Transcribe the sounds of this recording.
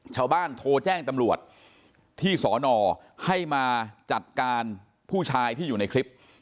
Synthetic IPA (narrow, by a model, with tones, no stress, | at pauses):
t͡ɕʰaː˥˩wbaː˥˩nt̪ʰoː˧t͡ɕɛː˥˩ŋt̪a˧mɾu˨˩ət̪̚ʰː | iː˥˩sɔː˩˦nɔː˧ | ha˥˩jmaː˧t͡ɕa˨˩t̪̚kaː˧n | pʰuː˥˩t͡ɕʰaː˧jt̪ʰiː˥˩juː˨˩na˧jkʰɾi˦˥p̚